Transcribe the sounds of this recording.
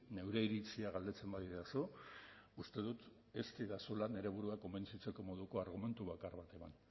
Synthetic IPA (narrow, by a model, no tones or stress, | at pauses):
ne̞wɾeiɾit͡siaɣald̪e̞t͡se̞mbaðiɾeasu | ust̪e̞ðut̪ | e̞st̪iðasulane̞ɾe̞β̞uɾuako̞mbe̞nt͡sit͡se̞ko̞mo̞ð̞uko̞aɾɣ̞ume̞nt̪uβakaɾβat̪e̞man